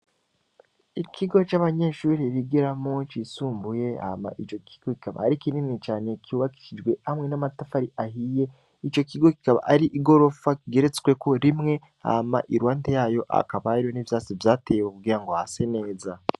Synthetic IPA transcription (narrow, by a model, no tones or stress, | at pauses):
ikʰiɡo̞t͡ʃaβaɲe̞ʃuːɾiɾiɡiɾamo̞t͡ʃisuːmbuje̞a̰ma̰ʔit͡ʃo̞kʰi̥ɡ̥o̞ki̥kaβa̰ːɾikininit͡ʃaːne̞kʰiuːβaki̥ʃid͡ʒɡwe̞hamŋe̞namatafaɾiʔahije̞ | it͡ʃo̞kiɡo̞ki̥kaβa̰ʔaɾiʔiɡo̞ɾo̞fakiɡe̞ɾet͡swe̞kʰo̞ɾimŋe̞ | a̰ma̰ʔiɾwaːntejaːjo̞ʔa̰kaβaiɾijonivjaːt͡sivjaːteːjwekuɡiːɾaŋɡo̞hase̞ne̞ːza